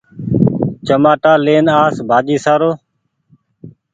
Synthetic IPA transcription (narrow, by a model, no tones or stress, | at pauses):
t͡ʃəmaːʈaːleːnaːsbʱaːd͡ʒiːsaːɾoː